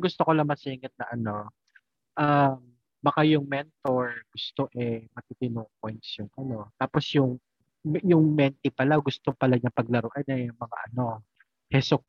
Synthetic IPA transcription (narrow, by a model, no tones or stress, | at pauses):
ɡʊst̪oko̞lɐŋmɐsiːŋɐt̪̚nɐʔɐno̞ | ʔam | bɐkajʊŋmɛnt̪o̞ɹɡ̥ʊst̪o̞ʔɛmɐt̪it̪ɪnoːʔkojnsjʊŋʔɐno̞t̪aːposjʊŋ | jʊŋmɛnt̪ɪpɐlaɡʊst̪opɐlaɲɐpɐɡ̚lɐɾoʔɐd̪ɐjʊŋmɐŋa̰ʔɐno̞ | hɛsok̚